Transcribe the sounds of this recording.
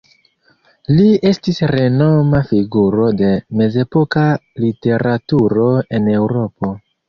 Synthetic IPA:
lie̞stisɾe̞no̞mafiɡuɾo̞de̞me̞ze̞po̞kalite̞ɾatuɾo̞e̞ne̞wɾo̞po̞

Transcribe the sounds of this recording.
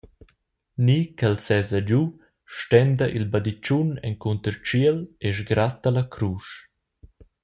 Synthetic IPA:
nikɛlsɛzad͡ʒu | ʃtɛnd̪əʔilbad̪it͡ʃunɛ̰ŋkunt̪əɾt͡ʃiəleʒɡɾat̪əlakʰɾuʃ

